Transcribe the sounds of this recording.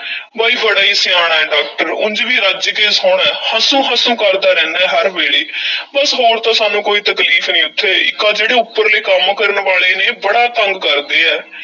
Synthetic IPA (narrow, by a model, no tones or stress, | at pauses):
baːiːbəɽaːiːsɪjaːɽ̃aːɛːɖaːk̚ʈəɾʊ̰nd͡ʒʋiːɾəd͡ʒkeːsɦoːɳɛːhəsũːɦasũːkəɾd̪aːɾɛ̃ːnd̪ɛːɦəɾbeːɽiːbəsɦoːɾt̪ãːsaːnũːkoːiːt̪əkliːfʰnĩːʊt̪ʰːeːɪ̰kːãːd͡ʒeːɽeːʊpːəɾleːkəmkəɾənʋaːɭeːneːbəɽaːt̪əŋɡkəɾd̪eːɛː